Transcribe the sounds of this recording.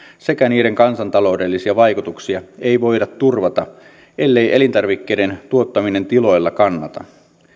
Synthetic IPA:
se̞kæniːɾe̞ŋkɑnsɑnt̪ɑlo̞udelːisiɑʋɑjkut̪uksiɑe̞jʋo̞jdɑt̪tːurʋɑt̪ɑ | ʔe̞lːe̞jʔe̞lint̪ɑrʋikːejde̞nt̪uo̞t̪ːɑmine̞nt̪ilo̞jlːɑkɑnːɑt̪ɑ̰

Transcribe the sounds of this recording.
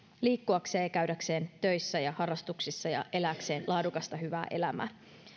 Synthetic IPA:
liːkːuɑkse̞ːkæɥdækse̞ːnt̪ø̞jsːæjɑhɑrːɑst̪uksisːɑjɑ̰ʔe̞læːkse̞ːnlʔɑːdukɑst̪ɑɦyʋæ̰ːʔe̞̰læ̰mæ̰

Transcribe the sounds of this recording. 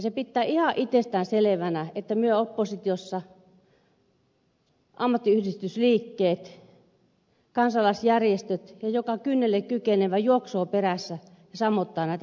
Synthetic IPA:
sepit̪ːæːihɑʔit̪ːest̪æːnseleʋænæet̪ːæmyøopːosit̪iosːɑ | ʔɑmːɑt̪ːiyhdist̪ysliːkːeːt̪ | kɑnsɑlɑsjærjest̪øt̪jɑjokɑkynːelːekkykeneʋæjuoksoːperæsːæ | jɑsɑmːot̪ːɑːnæˑit̪

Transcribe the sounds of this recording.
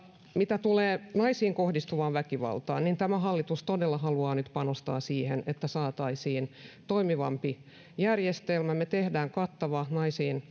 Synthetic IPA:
mit̪æt̪uleːnɑisiːŋkohdist̪uʋɑːʋʋækiʋɑ̰lt̪ɑ̰ːnnint̪æmæhɑlːit̪ust̪odelːɑhɑluɑːnyt̪pɑnost̪ɑ̰ːsiːhenet̪ːæsɑːt̪ɑisiːnt̪oimiʋɑmpi | jærjest̪elmæmet̪ehdæːŋkɑt̪ːɑʋɑnɑisiːn

